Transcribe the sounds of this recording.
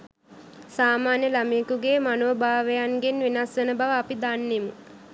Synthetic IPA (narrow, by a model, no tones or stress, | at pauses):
saːmaːnjəlamiːkuɡeːmanoːbʱaːʋejanɡenʋinasʋenəbaʋəapid̪anːemu